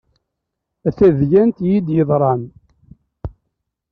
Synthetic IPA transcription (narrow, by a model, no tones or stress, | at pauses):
æθæðjænt̪jid̪jəðˤɾˤɑn